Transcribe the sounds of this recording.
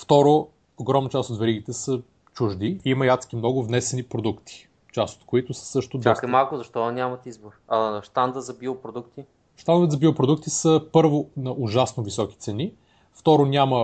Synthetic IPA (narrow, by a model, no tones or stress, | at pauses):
ft̪ɔɾo | oɡɾɔmnət͡ʃast̪otd̪vɛɾiɡit̪ɛsə | t͡ʃuʒd̪iimɐjat̪sk̟imnɔɡʊvnɛsɛnipɾod̪ukt̪i̥ | t͡ʃast̪o̥t̪koit̪ʊsə̥sɤʃt̪ʊd̪akɛmalˠkʊzɐʃt̪ɔɐnʲamɐt̪izboɾɐʃt̪and̪ət̪zɐbiopɾod̪ukt̪i | ʃt̪and̪vɛt̪zɐbiopɾod̪uk̚t̪isəpɤɾvonɐʔʊʒasnovisɔki̥t̪sɛni | ft̪ɔɾonʲamə